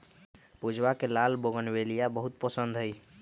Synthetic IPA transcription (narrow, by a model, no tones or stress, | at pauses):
pud͡ʒʱwakelalboɡənbelijabəɦut̪̚pəsənd̪ʱɦəj